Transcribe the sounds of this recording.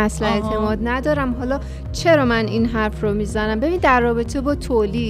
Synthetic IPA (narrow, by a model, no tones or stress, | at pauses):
æslæet̪ʰe̞mɒːd̪næd̪ɒːɾæmɦɒːlɒː | t͡ʃʰe̞ɾɒːmæninɦæɾfromiːzænæmbe̞bind̪æɾːɒːbe̞t̪ʰe̞bɒːt̪ʰoli